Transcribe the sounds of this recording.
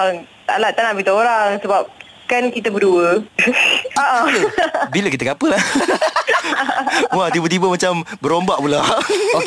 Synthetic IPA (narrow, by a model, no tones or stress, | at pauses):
ŋt̪a̰laʔt̪anaʔbit̪əoɾaŋsəbap̚ | kankit̪əbəduə | aʔa | bilək̬it̪əkapəla | at̪ibət̪ibəmat͡ʃambəɾombaʔpula